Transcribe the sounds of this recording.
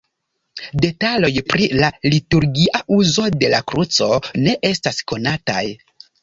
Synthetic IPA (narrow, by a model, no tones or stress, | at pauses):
de̞talo̞jpɾilalituɾɡiʔaʔuzo̞de̞lakɾut͡so̞ne̞ʔe̞stasko̞nata̰j